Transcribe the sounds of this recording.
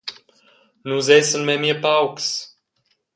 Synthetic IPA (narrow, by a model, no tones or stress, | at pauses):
nuzɛsənmɛmiəpawks